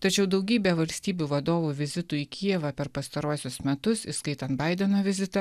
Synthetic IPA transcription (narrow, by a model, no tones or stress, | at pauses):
t̪ɐt͡ʃʲɛʊd̪ɒʊɡʲiːbʲeːʋɐlʲsʲt̪ʲiːbʲuːʋɐd̪oːʋuʋʲɪzʲɪt̪uːikʲʰiɛʋɐpʲɛɾpɐst̪ɐɾuɔsʲʊsmʲɛt̪ʊsiskɐɪt̪ɐnt̪bɐɪd̪ʲɛnoːʋʲɪzʲɪt̪ɐ